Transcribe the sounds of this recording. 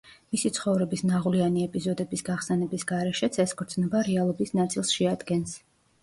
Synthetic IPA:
misit̪sʰχɔvɾɛbisnaʁlianiɛpʼizɔd̪ɛbisɡaχsɛnɛbisɡaɾɛʃɛt̪sʰɛskʰʼɔɾt̪sʰʼnɛbaɾɛalˠɔbisnat̪sʼilˠsʃɛad̪ɡɛns

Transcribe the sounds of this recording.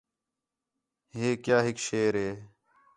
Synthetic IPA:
ɦeːkjaːɦɪkʃeːɾɦeː

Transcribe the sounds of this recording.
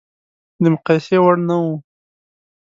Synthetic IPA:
d̪əmʊqɑjsewaɽnawu

